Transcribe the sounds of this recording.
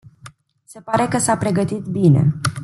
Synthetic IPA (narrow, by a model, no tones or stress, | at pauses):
se̞paɾe̞kəsapɾe̞ɡət̪it̪bine̞̰